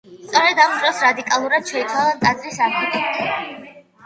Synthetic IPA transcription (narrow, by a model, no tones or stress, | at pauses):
st̪sʼɔɾɛd̪amd̪ɾɔsɾad̪ikʼalˠuɾad̪̥̚ʃɛit̪ʰwalˠant̪ʼad̪zɾisaɡɛt̪ʼɛ